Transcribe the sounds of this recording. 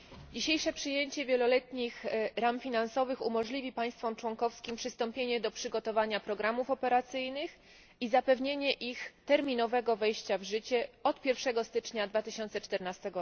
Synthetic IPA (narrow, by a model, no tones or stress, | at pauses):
d͡ʑiɕejʂɛpʂɘjeɲt͡ɕɛvʲjɛlɔlɛt̪ɲixɾamfʲinansɔvɘxṵmɔʐlʲivʲipaj̃st̪fɔmt͡ʂwɔŋkɔfskʲimpʂɘst̪ɔmpʲjeɲɛd̪ɔpʂɘɡɔt̪ɔvaɲapɾɔɡɾamufɔpɛɾat̪sɘjnɘx | izapɛvɲeɲɛʔixt̪ɛɾmʲinɔvɛɡɔvɛjɕt͡ɕavʐɘt͡ɕɛɔt̪pʲjɛɾfʂɛɡɔst̪ɘt͡ʂɲad̪vat̪ɘɕɔnt̪sɛt͡ʂt̪ɛɾnast̪ɛɡɔ